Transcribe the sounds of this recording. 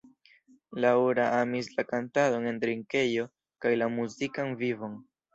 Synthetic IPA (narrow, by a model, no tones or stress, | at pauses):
lauɾaʔamislakantado̞ne̞ndɾiŋke̞jo̞ | kajlamuzikanvivo̞n